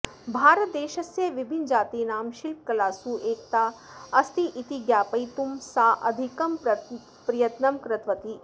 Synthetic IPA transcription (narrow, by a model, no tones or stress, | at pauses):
bʱaːɾət̪̚d̪eːʃɐsjɐʋibʱind͡ʒaːt̪iːnaːmʃilp̚kɐlaːsuʔeːkt̪aː | ɐst̪iʔit̪iɡjaːpɐjt̪umsaːʔɐ̰d̪ʱikɐmp | pɾijɐt̪nɐmkɾɐt̪ʋɐt̪i